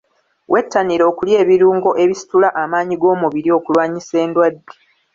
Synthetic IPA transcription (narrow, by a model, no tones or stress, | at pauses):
wʔe̞tːaniɾo̞ːkulje̞ːβiɾuːŋɡo̞ʔe̞βisi̥tulaʔamaːɲiɡo̞ːmuβiɾio̞kulwaːɲise̞ːndwadːe